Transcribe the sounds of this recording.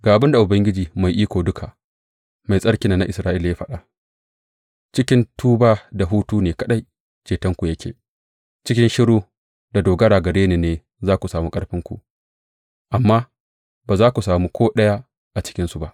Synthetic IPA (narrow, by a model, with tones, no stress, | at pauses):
ɡaː˨ʔa˨bɪ˦nda˨ʔʊ˨bɐ˦ŋɡʲɪ˦d͡ʒiː˨ma˨jʔiː˦kʷoː˨dʊ˦kʰa˨ | ma˨jsʼɐ˦ɽkʲɪ˨naː˨na˦ʔɪ˨sɾaː˦ʔɪ˦la˨ja˦ɸɐ˦ɗaː˨ | t͡ʃɪ˦kʲɪ˦ntʰuː˦baː˦da˨ɦuː˦tuː˦neː˨kɐ˦ɗa˦j | t͡ʃeː˨tɐ˦ŋkʷu˨jɐ˦kʲʰeː˨ | t͡ʃɪ˦kʲɪ˦nʃɪ˦ɽuː˦ | da˨doː˨ɡɐ˦ɽaː˨ɡɐ˨ɽeː˦neː˨neː˨ | zaː˦kʷu˨saː˨mu˦kʼɐ˦ɽɸɪ˦ŋkʷṵ˨ʔ | ʔa˨mːaː˦ | baː˨zaː˦kʷu˨saː˨mu˦kʷoː˦ɗɐ˦ja˦ | ʔa˨t͡ʃɪ̥˦kʲɪ˦nsu˨ba˦ʔ